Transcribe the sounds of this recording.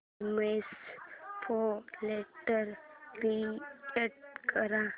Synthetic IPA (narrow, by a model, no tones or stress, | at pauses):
mespʰoleʈəɾbieʈ̚kəɾã